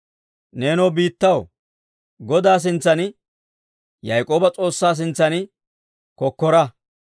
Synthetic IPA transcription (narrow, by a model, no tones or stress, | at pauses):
neːnɔːbiːt̪ːɐw | ɡɔd̪aːs̬ɪnt͡sːɐnɪ | jɐjkʼo̞ːbɐt͡sʼo̞ːsːaːs̬ɪnt͡sːɐnɪ | kɔkːɔɾɐ